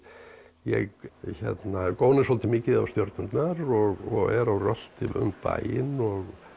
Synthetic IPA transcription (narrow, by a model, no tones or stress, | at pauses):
jɛ̰ɣçɛ̰t̪nakoːwnɪshɔlt̪ɪmɪːcɪða̰wst̪jɔɾt̪nʏnt̪naɾɔɣɔɣɛɾawrœl̥t̪ɪʏ̰mpa̰jɪnɔɣ